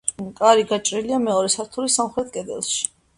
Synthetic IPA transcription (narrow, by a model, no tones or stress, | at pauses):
kʼaɾiɡat͡ʃʼɾiliamɛɔɾɛsaɾt̪ʰulisamχɾɛt̪̚ʰkʼɛd̪ɛ̰lˠʃi̥